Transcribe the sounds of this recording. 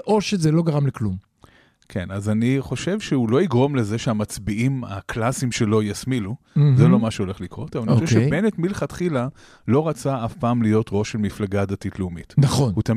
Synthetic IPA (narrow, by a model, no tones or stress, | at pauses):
ʔoʃezelo̞ɡaʁamleklum | kʰenazaniχo̞ʃe̞vʃeulo̞iɡʁo̞mle̞ze̞ʃeamat͡sbiima̰kʰlasimʃe̞lo̞jasmiluzelo̞maʃeo̞le̞χlikʁo̞tavaniχooʃeʃebenetmilχatχila | lo̞ʁat͡saafpaːmlijo̞tʁo̞ʃelmiflaɡadatitleumḭtnaχonhutam